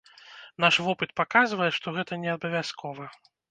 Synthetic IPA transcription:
naʂvɔpɨt̪̚pakazvɐjɛʂt̪ɔɣɛt̪ɐnʲɛabɐvʲaskʰɔvɐ

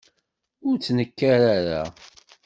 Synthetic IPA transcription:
ʊɾt͡sːnəkːaɾaɾa̰

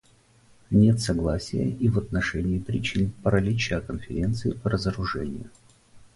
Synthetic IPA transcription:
nʲet̪sɐɡlˠasʲɪjə̰ʔivɐt̪nɐʂɛnʲɪːpɾʲɪt͡ɕinpəɾɐlʲit͡ɕɪəkənfʲɪɾʲe̞nt̪sɨɪpəɾəzəɾʊʐɛ̰nʲɪ̰jʊ̰

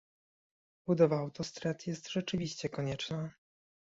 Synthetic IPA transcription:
bud̪ɔvaːwt̪ɔst̪ɾɛt̪jɛst̪ʐɛt͡ʂɘvʲiɕt͡ɕɛkɔɲɛt͡ʂna

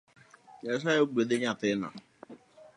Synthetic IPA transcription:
ɲɛs̬ajoɡ͡bedeɲatɪna̰

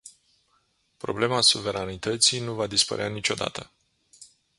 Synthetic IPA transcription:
pɾo̞̰ble̞masuve̞ɾanit̪ət̪sijnuvad̪ispə̰ɾeanit͡ʃo̞d̪a̰t̪ʰə

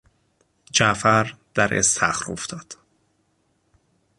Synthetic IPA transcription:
d͡ʒæfæɾd̪̥æɾʔḛst̪ʰæ̰xɾo̰ft̪ʰɒːd̪̥

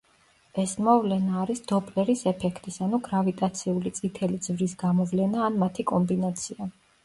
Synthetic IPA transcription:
ɛsmɔvlɛnaːɾisd̪̥ɔpʼlɛɾisɛpʰɛkʰt̪ʼisanuɡɾavit̪ʼat̪sʰiulit̪sʼit̪ʰɛlid̪zvɾisɡamɔvlɛnaːnmat̪ʰikʼɔmbinat̪sʰia

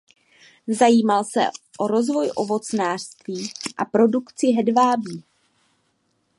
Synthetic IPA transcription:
zajiːmalsɛ̰ʔoɾo̞zvo̞jʔo̞vo̞t͡snaːr̥st̪viːʔapɾo̞dukt͡sɪɦɛdvaːbiː

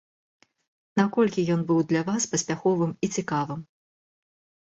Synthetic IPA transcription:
nakɔlʲkʲijɔnbɨwd̪lʲɐvaspɐsʲpʲaxɔvɨmit͡sʲikavɨm

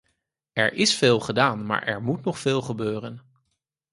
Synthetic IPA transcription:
ɛɹʔɪsfeːlˠχədaːnma̰ːɹʔɛ̰ɹmutnɔχfɪːlˠχəbøːrən

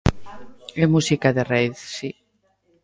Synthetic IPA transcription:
emusikaðereiθsi

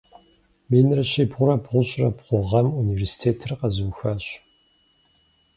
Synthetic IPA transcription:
meːnɨrɐɕeːbʁʷʊɾɐbʁʷʊɕʼrɐbʁʷʊʁɐmuniversi̥tʰeːtʰɨrqɐzɨwxɐɕ

